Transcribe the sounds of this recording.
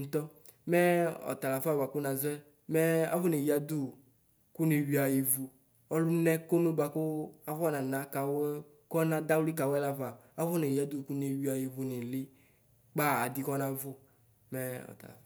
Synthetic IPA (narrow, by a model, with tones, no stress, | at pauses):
n̩˦t̪ɔ˦ | mɛ˦ɔ̰˨t̪a˨la˨fa˦˨wa˨ku˦nã˨zɛ˦ | mɛ˦a̰˦vʊ˦ne˨ji˨˦a˨d̪u˦˨ | ku˦ne˨wi˨a˨ji˨vu˨ | ɔ˦lʊ˦nɛ˦ko˦nu˦ba˨kʊ˦a˨va˦nã˨nã˨˦ka˨wɛ˦ | kɔ˦nã˦d̪a˦wli˦ka˨wɛ˦la˦va˨ | a˦vʊ˦ne˨ji˨a˦d̪u˦˨ku˦ne˨wi˨a˨ji˨vu˨ne˨lɪ˦ | k͡pa˦a˨d̪i˦kɔ˦nã˦vʊ˦ | mɛ˦ɔ̰˨ta̰˨la̰˨